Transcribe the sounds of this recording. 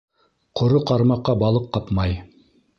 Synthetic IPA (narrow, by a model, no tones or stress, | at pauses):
qʰŏɾoqɑɾmɑqːɑbɑlˠɤqːɑpmɑj